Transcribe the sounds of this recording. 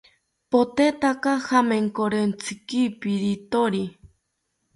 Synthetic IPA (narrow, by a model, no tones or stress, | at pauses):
pot̪et̪akahameŋkoɾent͡sʰɨkipiɾit̪oɾi